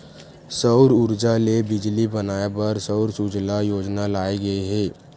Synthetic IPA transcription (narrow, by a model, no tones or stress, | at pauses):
səʊɾʊɾd͡ʒalebɪd͡ʒlibɐnaːabɐɾsəʊɾsud͡ʒlajoːd͡ʒnalaːeɡɐiɦɛː